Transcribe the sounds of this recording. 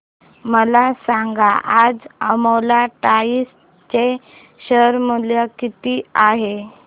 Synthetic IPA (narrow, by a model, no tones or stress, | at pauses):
məlasaŋɡaʔad͡zəmolaʈais | t͡ɕe | ɕəɾmuljakit̪iːaɦe